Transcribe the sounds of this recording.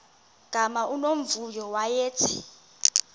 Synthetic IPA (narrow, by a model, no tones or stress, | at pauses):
ɡ̥ʱamaʔunom̩vujɔwajeːtʰi̥